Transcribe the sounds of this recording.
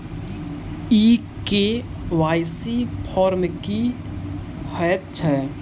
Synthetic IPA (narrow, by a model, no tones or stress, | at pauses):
iː | ke | ʋaːjsipʰɔːɾmki | həjət̪̚t͡ʃʰɛː